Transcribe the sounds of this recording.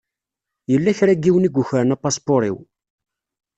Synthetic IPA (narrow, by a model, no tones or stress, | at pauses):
jəlːæçɾæɡːiwniɡʷːʊçɾnæpɑspoɾḭw